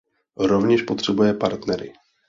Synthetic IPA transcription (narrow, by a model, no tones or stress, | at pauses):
ɾo̞vɲɛʃpo̞t̪r̥ɛbujɛpaɾt̪nɛɾɪ̰